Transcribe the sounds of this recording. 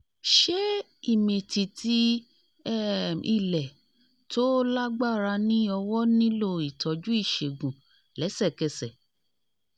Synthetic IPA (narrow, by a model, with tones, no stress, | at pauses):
ʃe˦ | i˦˨mĩ˨ti˨ti˦ | i˦˨lɛ˨ | to˦la˦ɡ͡ba˦˨ɾa˧nĩ˦ɔ˧wɔ˦nĩ˦lo˦˨i˨tʰɔ˨d͡ʒu˦i˦˨ʃe˨ɡũ˨ | lɛ˨˦sɛ˦˨kɛ˧sɛ˨